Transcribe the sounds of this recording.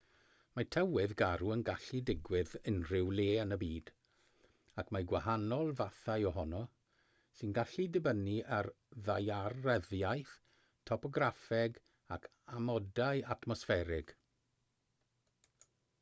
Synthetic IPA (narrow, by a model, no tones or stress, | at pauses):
matʰɛwɪðɡaɾuənɡaɬidɪɡwɪðənrɪwleːənəbiːd̥ | akmaɡwahanɔlˠvaθajɔɦɔnɔ | sɨnɡaɬidəbəniʔar | ðajarɛðjajθ | tʰɔpɔɡrafɛɡ | akʰ | amɔdajatʰmɔsfɛɾɪɡ̥